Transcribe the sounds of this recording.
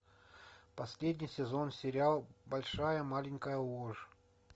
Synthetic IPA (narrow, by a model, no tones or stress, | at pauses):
pɐsʲlʲedʲnʲijsʲɪzonsʲɪɾʲɪalˠbɐlʲʂajəmalʲɪnʲkəjəuəʐ